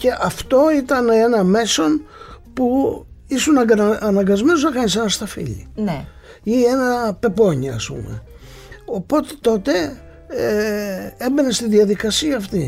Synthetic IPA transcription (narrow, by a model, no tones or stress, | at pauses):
ce̞ʔɐft̪o̞it̪ɐnenɐme̞so̞n | puisunɐɡɐnɐŋɡɐzmenusnɐkɐnise̞nɐst̪ɐfḭʎḭne | ie̞nɐpe̞po̞ɲiɐ̰spṵmḛ | o̞po̞t̪e̞̥t̪o̞t̪e̞ | embenest̪iðiɐðikɐsiɐːft̪i